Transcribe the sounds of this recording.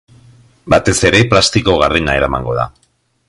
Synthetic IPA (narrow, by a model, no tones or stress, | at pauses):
bat̪e̞se̞ɾe̞plast̪iko̞ɣarenae̞ɾamaŋɡo̞ða̰